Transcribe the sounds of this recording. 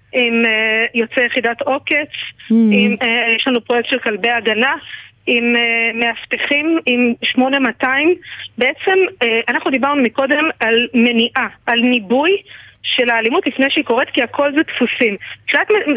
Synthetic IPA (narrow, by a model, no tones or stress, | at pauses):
ʔimejo̞t͡sejeχidat̪o̞ke̞t͡simjeʃlanupʁojek̚t̪ʃelkalbe̞jaɡana | imeːe̞afteχimimʃmo̞nemataimbeʔet͡se̞meʔanaχnud̪ibaʁnumiko̞d̪e̞malme̞niʔaʔalnibujʃe̞laːlimutlifne̞jʃeiko̞ʁet̪kiakʰo̞lzet̪fusimχiatme